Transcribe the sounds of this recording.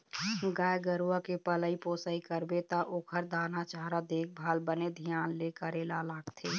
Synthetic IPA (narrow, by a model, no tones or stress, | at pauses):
ɡaːjɡəɾuakepələipoːsaikəɾbet̪aʔoːkʰəɾd̪aːnat͡ʃaːɾad̪eːk̚ʰbʱaːlbəned̪ʱijaːnlekəɾeːlalaːɡt̪ʰeː